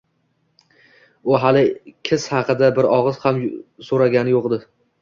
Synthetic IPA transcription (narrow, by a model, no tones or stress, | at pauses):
ʊɦalɪkʲʰɪshɑqʰɨd̪abɪɾɒʁɨz̥hamsoɾaɡʲanɪjoqd̪ɪ